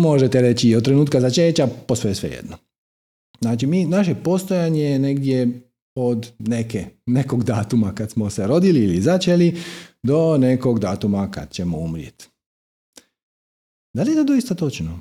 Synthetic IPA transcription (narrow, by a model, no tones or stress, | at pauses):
moʒet̪eɾe̞t͡ɕiot̪t̪ːɾe̞nuːt̪kazat͡ʃeːt͡ɕaposojesʋḛjḛd̪no | znaːt͡ʃimiːnaʃ̬e̞po̞st̪o̞jaɲejene̞ɡd̪je | od̪nekeneko̞ɡd̪aːt̪umakad̪smoseɾo̞d̪iliːlizat͡ʃelid̪o̞ne̞ko̞ɡd̪aːt̪umaka̰d̪̥t͡ɕe̞moumɾjḛt̪ | d̪alijet̪od̪o̞ist̪at̪o̞t͡ʃno